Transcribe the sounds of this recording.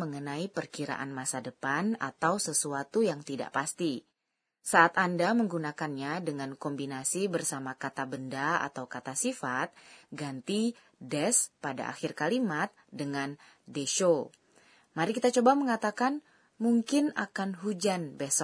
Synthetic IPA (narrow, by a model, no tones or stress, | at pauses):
məŋənaipərkiɾa̰ʔa̰nmasadəpana̰t̪awsəsuat̪ujaŋt̪ida̰ʔpast̪i | saʔat̪andaməŋɡunakanɲadəŋankɔmbinasibərsamakat̪abəndaa̰t̪awkat̪asifat̪̚ɡant̪i | dɛspada̰ʔa̰xɪrkalimat̪̚dəŋan | deʃo | maɾikit̪at͡ʃobaməŋat̪akan | muŋkɪna̰kanɦud͡ʒanbesɔ